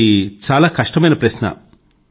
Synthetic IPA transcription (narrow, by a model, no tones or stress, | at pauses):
it͡ʃaːlaːkɐʂʈɐmɐjnɐpɾɐsɕnɐ̰